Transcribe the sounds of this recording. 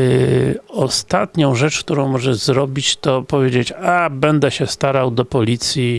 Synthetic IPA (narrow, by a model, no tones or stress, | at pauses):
ɔst̪at̪ɲɔ̃w̃ʐɛt͡ʂkt̪uɾɔ̃w̃mɔʐɛzɾɔbʲit͡ɕt̪ɔpɔvʲjed͡ʑet͡ɕabɛnd̪ɛɕɛst̪aɾawd̪ɔpɔlʲit̪sʲji